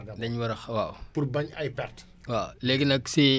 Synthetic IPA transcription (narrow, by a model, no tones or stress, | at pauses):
dɐɲwɐɾɐxwaːwpuɾbɐɲajpɛrt | walɛɡinɐksi